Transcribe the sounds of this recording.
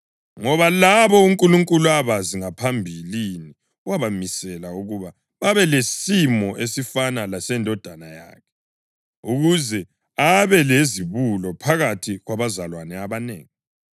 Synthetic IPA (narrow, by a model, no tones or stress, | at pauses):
ŋɔβalaβɔuŋkʼuluŋkʼuluaβaziŋapʰambʱilini | uwaβamisɛlauɣuβa | βaβɛlesimɔʔesifanalasɛndʱɔd̥ʱanaja̰ːkʰɛ̥ | uɣuzɛ | aβɛleziβulɔpʰaɣatʰiɣwaβazalwanɛaβanḛːŋi